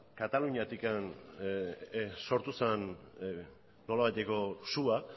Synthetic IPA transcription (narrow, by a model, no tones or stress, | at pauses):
kat̪aluɲiat̪ikan | so̞ɾt̪usen | o̞laβajt̪e̞ko̞sua